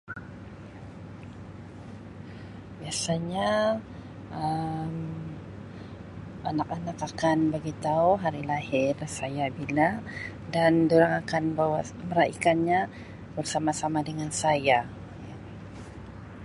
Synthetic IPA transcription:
biasaɲa | əm | anakanakakanbaɡit̪auɦaɾilahɪrsajabila | dandoɾaŋakanbawa | məɾaʔikanɲa | bərsamasamadəŋansaja | ja

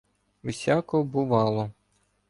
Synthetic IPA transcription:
ʋesʲakɔbʊʋɑlˠɔ

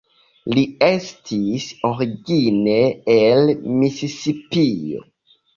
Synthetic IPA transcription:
liestʰisoɾiɡineelmisisipio̰

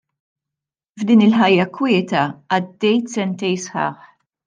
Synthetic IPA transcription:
vd̪iːnɪlħɐjːɐkwɪːt̪ɐɐd̪ːɛjt̪sɛnt̪ɛjsħɑ̰ːħ

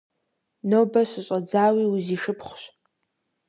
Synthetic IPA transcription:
nowbɐɕʷɨɕʷʼɐd͡zaːwiuziʂɨpʰχʷɕʷ

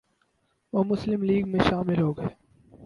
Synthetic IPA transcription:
ʋoːmʊslɪmliːɡmẽʃaːmɪlɦoːɡː

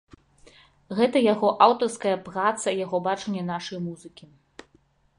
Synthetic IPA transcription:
ɣɛt̪ɐjaɣɔʔawt̪ɐrskɐjɐpɾat̪sɐjaɣɔbat͡ʂɛnʲːɛnaʂɐjmuzɨkʲi

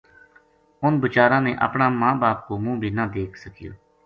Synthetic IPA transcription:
ʊnbət͡ʃaːɾãːneːʔə̰pɳaːmãːbaːp̚koːmũːbʱiːnəːd̪eːkʰsəkɪjo̰ː

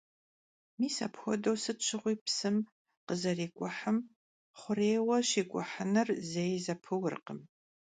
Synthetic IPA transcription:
miːsɐ̰pxʷɔdɐwsɨt͡ʃʰɪʁʷiːpsɨm | qəzɐreːkʷʼʊħəm | χʷʊreːwɐʃiːkʷʼʊħənɨrzejzɐpʰɨwʊrqəm

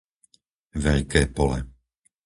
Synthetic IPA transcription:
ʋɛʎkɛːpɔlɛ̰

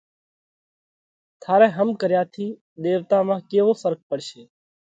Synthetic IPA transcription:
t̪ʰaːɾẽɦəmkəɾjaːt̪ʰiː | d̪eːʋt̪amãːkeːʋoːsəɾk̚pəɽʃeː

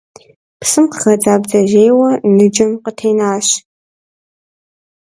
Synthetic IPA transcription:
psɨmqxɐd͡zaːbzɐʒeːjwɐnɨd͡ʒɐmqətʰeːnaːɕ

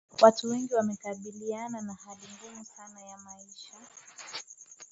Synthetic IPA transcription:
watuwɛŋɡiwamɛkaɓiliananahaɗiŋɡumusanajamaiʃa

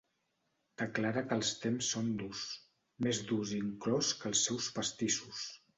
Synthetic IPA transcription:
d̪̥əklaɾəkəlˠst̪emsːond̪us | mezd̪uziŋklɔskəlˠsːɛwspəst̪isus

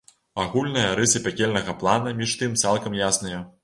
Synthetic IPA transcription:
aɣulʲnɐjɐɾɨsɨpʲakʲɛlʲnɐɣɐplˠanɐmʲiʂt̪ɨmt̪salˠkɐmjasnɐjɐ

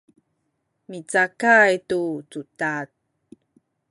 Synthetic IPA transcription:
mit͡sakajtut͡sutat̚

